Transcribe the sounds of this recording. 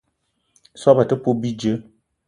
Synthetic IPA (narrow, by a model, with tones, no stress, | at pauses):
sɔ˦ba˨tə˦po˦bi˦d͡ʒə˦